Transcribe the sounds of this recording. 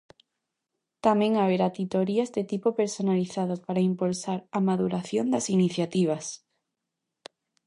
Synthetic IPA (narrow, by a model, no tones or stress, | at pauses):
t̪amẽŋaβ̞eɾat̪it̪oɾiazd̪et̪ipopeɾsonaliθaðopaɾaimpulsaɾamaðuɾaθjond̪asiniθjat̪iβ̞as